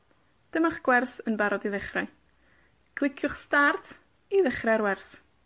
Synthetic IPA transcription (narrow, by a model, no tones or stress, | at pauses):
d̥əmaχɡ̥wɛrsənbaɾɔdiðɪχraj | ɡ̥lˠɪkʰjʊχstartʰ | iðɪχrɛɾwɛrs